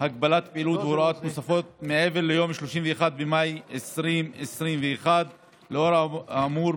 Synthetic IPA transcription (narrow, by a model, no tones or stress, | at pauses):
hakbalat̪peʔilut̪veɾuʔat̪nosafot̪̚meʔeveɾlejoːmʃloʃimveexad̪̚bemajesɾimʔesɾimveexad̪ | leʔoɾmuɾ